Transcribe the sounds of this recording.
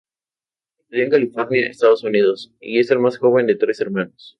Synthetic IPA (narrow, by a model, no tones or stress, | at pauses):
et̪oðieŋkalifoɾnjaḛst̪aðosuniðo̞sḭe̞se̞lmasxo̞β̞e̞nd̪et̪ɾe̞seɾmãnos